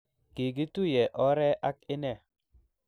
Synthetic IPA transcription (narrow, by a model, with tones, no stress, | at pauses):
ɡ̥e˨ɡi˦tu˦jɛ˨ʔɔ˦ɾɛ˦ʔa˦kɪ˦nɛ˦˨